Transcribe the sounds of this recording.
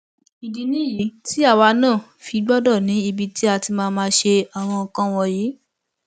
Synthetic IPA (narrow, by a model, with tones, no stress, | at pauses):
i˨di˨nĩ˦˨ji˨˦ti˦a˦˨wa˨˧˦nãː˦˨ | fi˧ɡ͡bɔ˦dɔ˦˨nĩ˨˦i˧bi˧ti˦a˧ti˧mãː˧mãː˧˦ʃe˧a˨w̃ɔ̃˧ɔ˧kã˦w̃ɔ̃˧jiː˨˦